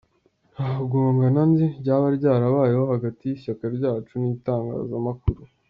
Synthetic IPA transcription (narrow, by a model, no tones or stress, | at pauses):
aɡuŋɡananziɟaβaɾɟaːɾaβaːjehohaɡatijiɕakaɾɟaːt͡ʃuniːtaːŋɡa̰ːzamakuɾu